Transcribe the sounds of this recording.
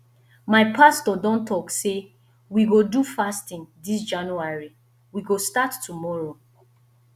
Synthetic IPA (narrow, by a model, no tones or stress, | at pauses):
maɪpʰastɔdɔ̃ntʰɔkse | wiɡodufastĩndis̬d͡ʒãnuaɹi | wiɡostatːumɔɹo